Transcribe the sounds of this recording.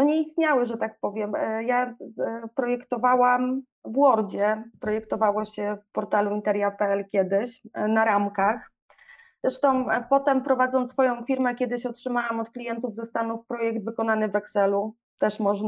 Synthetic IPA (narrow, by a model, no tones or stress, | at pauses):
nɔɲɛist̪ɲawɘʐɛt̪ak̚pɔvʲjɛmja | pɾɔjɛkt̪ɔvawam | vwɔɾd͡ʑɛpɾɔjɛkt̪ɔvawɔɕɛfpɔɾt̪aluint̪ɛɾʲjapɛɛlkʲjɛd̪ɘɕnaɾamkax | z̥ɾɛʂt̪ɔ̃w̃pɔt̪ɛmpɾɔvad̪zɔnt̪sfɔjɔ̃w̃fʲiɾmɛkʲjɛd̪ɘɕɔtʂɘmawamɔt̪klʲijɛnt̪uvzɛst̪anufpɾɔjɛɡd̪vɘkɔn̪anɘvɛksɛlu | t̪ɛʂmɔʐn